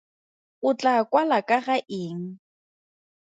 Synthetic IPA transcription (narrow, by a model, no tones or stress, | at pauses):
ʊt͡ɬʼakwalakʼaɣaʔɪːŋ̩